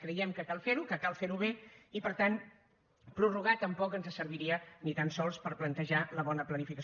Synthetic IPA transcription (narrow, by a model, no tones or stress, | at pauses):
kɾəjɛmkəkalˠfeɾukəkalˠfeɾuβeipəɾt̪an | pɾuruɣ̞at̪ːəmpɔkənzəsəɾβiɾiənit̪ansɔlˠspəɾplənt̪əʒaləβɔnəplənifikəs